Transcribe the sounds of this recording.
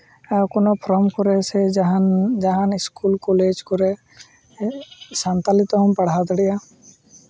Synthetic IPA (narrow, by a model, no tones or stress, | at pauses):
konɔpʰɾɔmkɔɾɛsɛɦd͡ʒaɦanɪskulkoled͡ʒkɔɾɛ | sant̪alit̪ɔɦɔmpəɽ̤at̪ɽija